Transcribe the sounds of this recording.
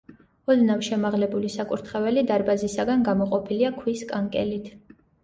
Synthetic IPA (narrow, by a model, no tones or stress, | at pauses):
ɔd̪navʃɛmaʁlɛbulisakʼuɾt̪ʰχɛvɛlid̪aɾbazisaɡanɡamɔqʼɔpʰiliakʰwiskʼaŋkʼɛlit̪ʰ